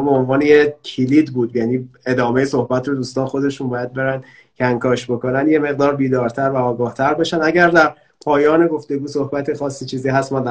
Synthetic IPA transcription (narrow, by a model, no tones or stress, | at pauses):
beonvɒːnejecʰiliːd̪buːd̪jæniːe̞d̪ɒːmejeso̞hbæt̪ʰɾod̪uːst̪ɒːnxo̞d̪e̞ʃunbɒːjæd̪̚be̞ɾænd̪ | kʰæŋkʰɒːʃbo̞ko̞nænd̪je̞me̞ɣd̪ɒːɾbiːd̪ɒːɾt̪ʰæɾvæɒːɡɒːht̪ʰæɾbeʃænd̪æɟæɾd̪æɾ | pʰɒːjɒːne̞ɡo̞ft̪e̞ɡuːso̞hbæt̪ʰexɒːsːiːt͡ʃʰiːziːɦæst̪mænd̪